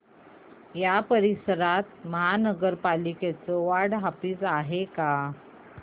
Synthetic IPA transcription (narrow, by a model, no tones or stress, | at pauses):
japəɾisəɾat̪̚məɦanəɡəɾpaliket͡səʋaɽɦapiːt͡saɦeka